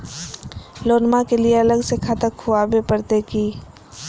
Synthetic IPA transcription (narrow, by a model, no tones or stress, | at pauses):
loːnmakelieɐləɡsekʰaːt̪əkʰuabepəɾt̪ekiː